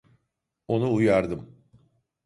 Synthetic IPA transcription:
o̞nuːjaɾd̪ɯm

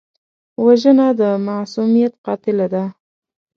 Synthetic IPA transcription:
waʒənad̪əmasumijat̪qɑt̪ɪlad̪a

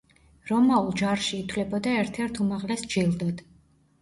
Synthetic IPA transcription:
ɾɔmaulˠd͡ʒaɾʃiːt̪ʰwlɛbɔd̪aɛɾt̪ʰɛɾt̪ʰumaʁlɛsd͡ʒilˠd̪ɔd̪̥

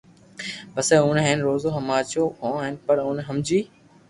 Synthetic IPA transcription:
bɐsɛːʊnɦɪnɾoːzoːɦɐmaːt͡ɕokõːaːɦɪnɪ̆pɐɾʊ̃nɦɐmd͡ʑiː

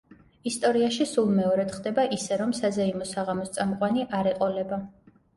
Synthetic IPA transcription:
ist̪ʼɔɾiaʃisulˠmɛɔɾɛd̪χd̪ɛbaʔisɛɾɔmsazaimɔsaʁamɔst̪sʼamqʼwaniʔaɾɛqʼɔlɛba

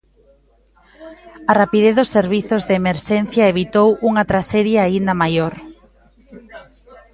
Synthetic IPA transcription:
ɐrapið̞eθðʊsːeɾβ̞iθʊzðeemeɾʃɛn̟θjɐeβit̪owʔuŋɐt̪ɾaʃɛðjaaind̪ɐmajoɾ

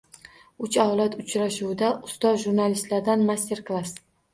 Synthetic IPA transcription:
ʊt͡ʃawlat̪ʊt͡ʃɾaʃuwɪd̪aʔʊst̪ɒʒuɾnalist̪laɾd̪anmasʲt̪ʲʰe̞ɾklˠas

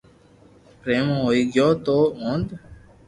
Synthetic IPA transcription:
pɾeːmɦoːiːɡjoːt̪oːõːnd̪

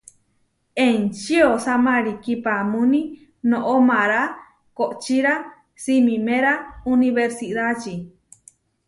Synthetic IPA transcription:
ent͡ʃiosamaɾikipamũni | nõʔomãɾa | koʔt͡ʃiɾa | simĩmẽɾauniβeɾsiðat͡ʃi

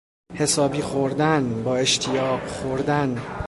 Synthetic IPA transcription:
he̞sɒːbiːxoɾd̪ænbɒːe̞ʃt̪ʰijɒːɢxoɾd̪æn

